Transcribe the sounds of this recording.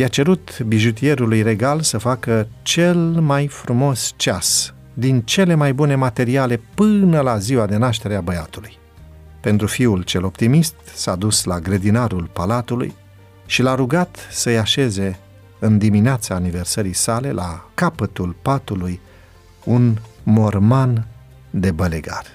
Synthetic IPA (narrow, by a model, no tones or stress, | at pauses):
jat͡ʃe̞ɾut̪biʒut̪̬ie̞ɾulujre̞ɡalsəfakət͡ʃe̞lmajfɾumo̞st͡ʃas | d̪int͡ʃe̞le̞majbune̞mat̪e̞ɾiale̞pɨnəlaziwad̪e̞naʃ̬t̪e̞ɾeabəjat̪uluj | pe̞nt̪ɾufiult͡ʃe̞lo̞pt̪imist̪saːd̪uslaɡɾed̪inaɾulpalat̪ulṵj | ʃilaɾuɡat̪səjaʃe̞ze̞ | ɨnd̪imineat̪saːnive̞rsəɾisale̞lʔa̰kapət̪ulpat̪uluj | unmo̞rman | d̪e̞bəleɡa̰r